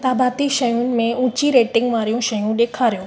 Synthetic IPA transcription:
t̪aːbaːt̪iʃɐjunɪ̆mẽũːt͡ɕiɾeːʈɪ̃ŋɡʋaːɾijũʃɐjũɗeːkʰaːɾijũː

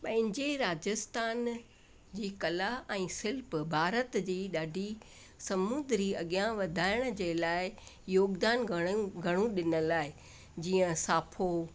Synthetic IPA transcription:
pɐ̃ɦɪ̃ɲd͡ʑeɾaːd͡ʑəst̪ʰaːn | d͡ʑiːkɐlaɛ̃ːsɪlpbʱaːɾət̪d͡ʑiːɗaːɖʱi | sɐmund̪ɾiɐɠijãʋɐd̪ʱaːɪɽ̃̆d͡ʑeːlaːɪ | joːɡd̪aːnɡʱɐɽ̃ũɗɪnə̆laːɪ | d͡ʑiːə̃saːpʰo

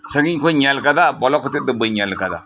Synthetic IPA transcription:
saɡiɲkoɲalkadabɔlakutidəbəɲalkada̰

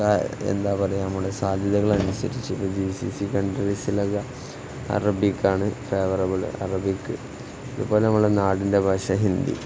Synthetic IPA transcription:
aḛnd̪aːpɐrɐjamuːɽesaːd̪ʱjɐðɐɣɐɭɐnusɐ̰ɾit͡ɕːuipːoːd͡ʑisḭːsikɐɳɖɐɾisilɐɣɐ | ɐ̰rɐbikːaːɳɨfe̞ːʋɐrɐbɐɭ̰ɐ̰rɐbikːɨ | ɐðubo̞ːlenɐmːɐɭɽenaːɽinde̞bʱɐːʂɐɦind̪ḭ

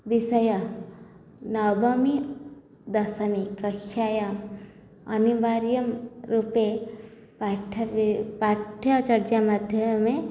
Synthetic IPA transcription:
ʋisɐjɐ | nɐwbʱɐmi | d̪ɐsɐmikɐkʃaːjam | ɐnibaːɾijɐmɾupe | paʈʰpaːʈʰjɐt͡ʃɐɾd͡ʒamɐd̪ʱjɐmẽ

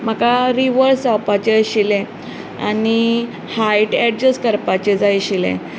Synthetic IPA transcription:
m̤akaɾiʋəɾsawpat͡ɕeɕilẽ | a̰ni | hajʈɛɖd͡ʑəskəɾpat͡ɕed͡zajɕilḛ̃

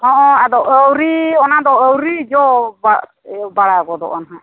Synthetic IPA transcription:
ɔ̃ʔɔad̪ɔʔəwɾiɔnad̪ɔəwɾid͡ʒɔba | baɽaɡɔd̪ɔ̰ʔɔnaɦa

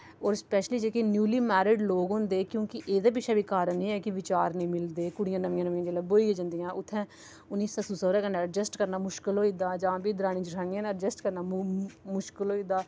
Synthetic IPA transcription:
ɔːɾspɛːʃliːd͡ʒeːkenjuːliːmɛːɾɪɖloːɡɦʊ̃ːnd̪eːkjõːkɪʔeːd̪aːp̬ɪːʃʰɛːbiːkaːɾənĩːɛːkɪʋɪt͡ʃaːɾnəĩːmɪld̪eːkʊɽɪjãːnəʋɪjãnəʋãːd͡ʒeːlaːboːiɡed͡ʒə̃nd̪ijãːʔʊt̪ʰːɛ̃ː | ʊnːiːsaːsusəːɾaːkənaːd͡ʒəsʈkəɾnaːmʊʃkəlɦoːiːd̪aːd͡ʒãːbʱiːd̪əɾaːɽ̃ĩːt͡ʃɪɾʰãːnãːnad͡ʒəsʈkəɾnaːmʊʃkɪlɦoːiːd̪aː

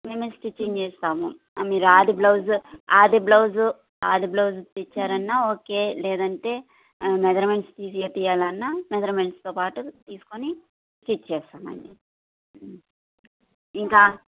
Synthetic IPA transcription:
me̞ːmesʈit͡ʃːiŋt͡ʃeːst̪aːmṵ | miːɾuaːd̪iblɐwzaːd̪iblɐwzu | aːd̪iblɐwzut̪it͡ʃːaːɾɐnːaːoːke̞ːlɛːd̪ɐɳʈe̞ː | mɛd̪ɐɾme̞ɳʈst̪iːst̪ijaːlɐnːamed̪ɐɾmeɳʈst̪oːpaːʈut̪iːsu̥koni | sʈit͡ʃːt͡ʃɛːʃaːmɐ̰ɳɖi | iŋkaː

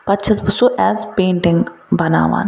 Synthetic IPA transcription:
pɐtt͡ʃʰisbʊsoʔɛːzpẽːɳʈɪ̃ŋɡbɐna̰ːʋa̰ːn

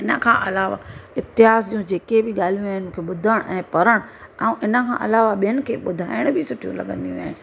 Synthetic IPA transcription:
ɪnəkʰãːʔɐlaːʋa̰ɪt̪ɪɦaːsd͡ʑiːũd͡ʑeːkebɪɠaːl̤ijũaːɦɪnɪmũːkʰeɓʊd̪ʱəɽ̃ʔɛ̃ːpɐɾəɽ̃ãʔɪnə̆kʰã̰ːʔɐ̰laːʋaɓijənɪ̆kʰeːɓʊd̪ʱa̰ːɪɽ̃bɪsʊʈʰijṵ̃lɐ̰ɠə̃nd̪ijṵ̃aːɦɪ̃

